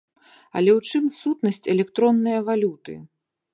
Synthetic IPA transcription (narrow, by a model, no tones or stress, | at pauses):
ɐ̰lʲɛwt͡ʂɨmsut̪nɐsʲt͡sʲɛlʲɛkt̪ɾɔnːɨjɐvalʲut̪ɨ̰